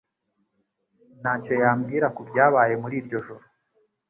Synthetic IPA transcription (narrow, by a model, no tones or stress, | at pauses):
nat͡ʃo̞jaːmɡiːɾakubɟaːβaːje̞muɾiːɾɟo̞ʒoɾo